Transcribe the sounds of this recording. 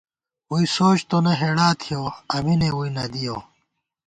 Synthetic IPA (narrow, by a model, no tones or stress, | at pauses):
wuisoːɕt̪onɐɦeːɽaːt̪ʰijoːɐminewuinɐd̪ijo̰ː